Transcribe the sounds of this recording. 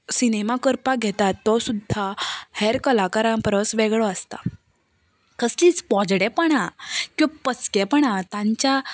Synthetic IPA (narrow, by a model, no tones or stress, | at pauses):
sinemakəɾpaɡʱɛt̪at̪ːɔsud̪ʱːahɛɾkəlakaɾãmpɾəsʋɛɡɭɔəst̪a | kəsliːt͡spɔd͡zɽɛpəɳakĩpət͡skɛpəɳ̃at̪ãɲt͡ɕa